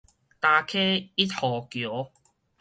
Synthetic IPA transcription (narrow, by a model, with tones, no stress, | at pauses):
t̪a˧kʰe˦i˦˥t̪̚hɔ˨kjo˨˦